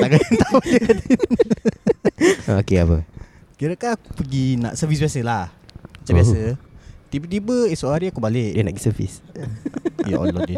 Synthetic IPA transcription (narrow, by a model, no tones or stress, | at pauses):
t̪aʔɡaint̪awad͡ʒəkadi | aokeapə̰ | kiɾəkaupəɡina̰ʔsəfis̬biasəlah | mat͡ʃambiasət̪ibət̪ibəisoʔaɾiakubalɪʔdənapəɡisəfḭs | jaʔɔ̰lɔdi